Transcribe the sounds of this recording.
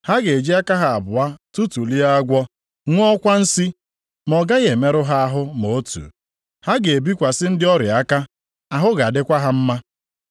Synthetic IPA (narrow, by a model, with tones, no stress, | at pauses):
ha˦ɡe˨e˨d͡ʒi˦a˦ka˦ɦa˨a˨bʊ˨a˦tu˦tu˨li˦a˦ɡʷɔ˦ | ŋʷ˦kʷa˦n̩˦si˦ | mɔ˨ɡa˦ɣe˨me˦ɾʊ˦ɦa˦a˦ɦʊ˦mo˨˦tṵ˨ | ha˦ɡe˨e˨bi˦kʷa˨sɪ˦n̩˦dɪ˦ɔ˦ɾɪ˨a˦ka˦ | a˨ɦʊ˦ɡa˨a˨dɪ˦kʷa˦ɦa˦m̩˦ma˦